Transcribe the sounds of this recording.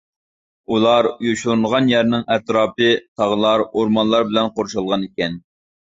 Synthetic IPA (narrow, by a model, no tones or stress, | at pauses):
ulˠɑɾjoʃlˠnəʁɑnjæɾnɪŋɛt̪ɾɑːpɨt̪ʰɑʁəlˠɑɾoɾmɑnlˠɑɾbɪlɛnqoɾʃɑlˠʁɑnikʲɛn